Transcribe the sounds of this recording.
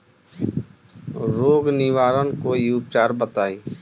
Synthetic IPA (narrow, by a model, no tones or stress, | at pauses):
ɾoːɡniːʋaːɾənkoːiːʊp̚t͡ʃaːɾbət̪aːiː